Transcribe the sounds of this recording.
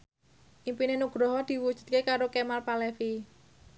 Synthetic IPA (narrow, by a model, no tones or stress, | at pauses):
ʔimpinenuɡ̥ɾɔɦɔd̪̥i̤wud̥ʒ̥ṳ̥t̪̚kekaɾokemalpalɛfi